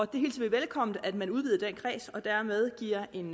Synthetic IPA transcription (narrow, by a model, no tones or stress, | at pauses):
ɒ̽d̥e̝he̝ːlt͡sʰi̥iʋelkʰɒ̽m̰n̩æd̥mænuð̞ˠʋiːðˠd̥enkʰʁɛ̰ːsɒ̽d̥æɐmeð̞ˠɡ̥iɐ̰e̝n